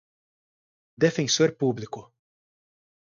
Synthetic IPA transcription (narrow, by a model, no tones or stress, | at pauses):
d̪ɛfɛ̃nsuɾpuːblɪkʊ